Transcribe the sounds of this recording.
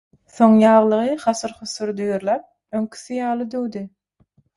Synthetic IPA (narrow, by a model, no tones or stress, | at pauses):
θo̞ŋjɑːʁlˠɯʁɯχɑsɯɾχʊsuɾd̪øjøɾlʲæp̚ | øŋkʰy̥θijɑːlˠɯd̪øwd̪i